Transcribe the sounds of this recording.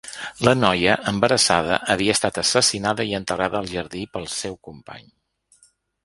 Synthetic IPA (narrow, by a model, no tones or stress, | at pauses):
lənɔjəʔəmbəɾəsaðə̰ʔəβiəːst̪at̪əsəsinaðəiənt̪əraðəːlˠʒəɾðipəlˠsɛwkumpa̰ɲ